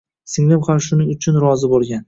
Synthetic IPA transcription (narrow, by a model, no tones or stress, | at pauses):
sɪŋlɪmχaɾʃʊnɪʊt͡ʃʰʊnɾɒzɪbolˠɡʲan